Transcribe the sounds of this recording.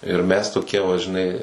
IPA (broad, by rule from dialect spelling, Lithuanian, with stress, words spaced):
ɪr mʲɛs toːˈkʲiɛ ʋɐ ʒʲɪˈnɐɪ